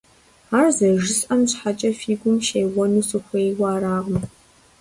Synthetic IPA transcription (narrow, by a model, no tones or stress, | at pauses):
aːrzɐʒɪsʼɐmɕħat͡ʃʼɐfiːɡʷʊmʃejwɐnuːsɨxʷejwaːɾaːʁm